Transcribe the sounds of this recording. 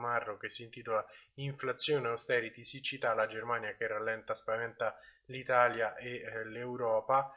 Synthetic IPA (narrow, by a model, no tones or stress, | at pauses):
marːokesːint̪iːt̪olaiɱflat̪sːjoːneost̪ɛːɾit̪isit͡ʃːit̪alad͡ʒermaːnjakerːalːɛnt̪aspavɛnt̪a | lit̪aːljaʔelewɾɔːpa